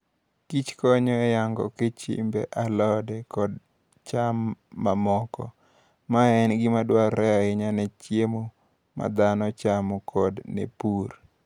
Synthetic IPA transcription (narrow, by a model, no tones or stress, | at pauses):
kit͡ʃkɔɲɔɛjaŋɡɔ̰kɪt͡ʃḭmbɛ̰ʔalɔdɛkɔd | t͡ʃamːamɔkɔ̰ | maɛnɡɪmadwaɛaɪɲanɛt͡ʃjemo | ma̰d̪anɔt͡ʃamɔkʰɔdnɛ̰puɾ